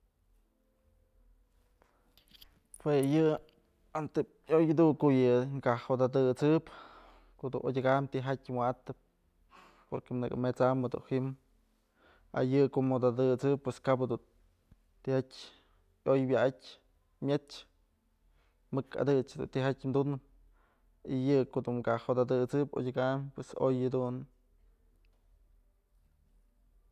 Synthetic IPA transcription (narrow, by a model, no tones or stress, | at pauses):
pwejɨ | ant̪e | ojd̪ukoʔjɨŋkahod̪ad̪ɨt͡sɨp | kod̪ṵnʔodʲaɡamt̪iɦatʲmʷwaʔt̪ɨp̚ | poɾkenɨ̰kɨ̰met͡samːɨd̪ṵnhim | a̰jɨkoʔmod̪ad̪ɨt͡sɨpweskapad̪un | t̪ihatʲ | ojbjaʔatʲ | mʲet͡ʃ | mɨka̰d̪ɨt͡ʃad̪ṵnt̪iɦatʲmd̪unɨp̚ | ijɨkoʔd̪umkaʔhod̪ad̪ɨt͡sɨpo̰dʲaɡampweso̰jad̪un